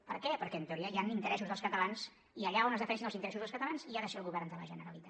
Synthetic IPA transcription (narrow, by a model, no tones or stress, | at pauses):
pəɾkɛpəɾkɛənt̪əuɾiəjanint̪əɾɛsuzðəlˠskət̪əlans | iəʎaonəzðəfɛnɛʃinlˠzint̪əɾɛsuzðəlskət̪əlanziaðəʃɛːlˠɣuβɛɾnd̪ələʒənəɾəlit̪a